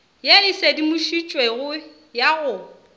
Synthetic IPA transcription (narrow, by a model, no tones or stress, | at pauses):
jeɪsedimʊʃit͡ʃʼweɣʊ | jaɣʊ